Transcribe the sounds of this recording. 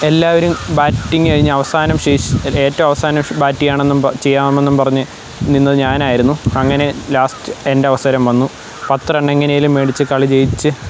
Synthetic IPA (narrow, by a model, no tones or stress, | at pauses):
e̞lːaːʋɐɾumbaːtːiŋːɡɨkɐɻiɲːɨɐʋɐsaːnɐmʂiːʂe̞ːtːɐʋɐmɐʋɐsaːnɐmbaːtːijaːɳe̞nːumɐt͡ɕe̞jːaːmme̞nːumpɐrɐɲːɨ | ninːɐðɨɲaːnaːjiɾunːuɐŋːɐne̞laːstɨe̞nde̞ɐʋɐsɐɾɐmʋɐnːu | pɐt̪ːreɳɖeŋːɐnejilumːeːɽit͡ɕːɨkɐɭit͡ɕe̞jit͡ɕːɨ